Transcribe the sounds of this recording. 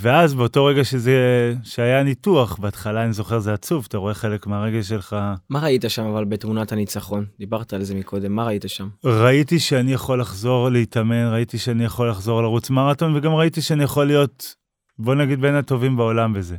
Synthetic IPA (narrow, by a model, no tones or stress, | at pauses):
ve̞azbeo̞to̞ʁe̞ɡaʃezeʃeajanituaχbeatχalaːnizo̞χe̞ʁzeat͡suvataʁo̞e̞χe̞le̞kmeaʁe̞ɡe̞lʃ̬e̞lχamaʁait̪aʃamavalbe̞tmunathanit͡saχo̞nd̪ibaʁt̪aːlzemikʰo̞d̪e̞mːaʁait̪aʃamʁaitiʃeanijaχo̞lːaχzo̞ʁleitame̞nʁaitiʃeanijaχo̞lːaχzo̞ʁlaʁut͡smaʁato̞nve̞ɡamʁaitiʃeanijaχo̞lːijo̞t | bo̞naɡid̪̚be̞nato̞vimbeo̞lambe̞ze̞